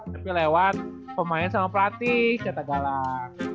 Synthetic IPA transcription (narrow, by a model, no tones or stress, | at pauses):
t̪apilewan | pəmaɪns̬amapəlat̪ɪhkat̪aɡala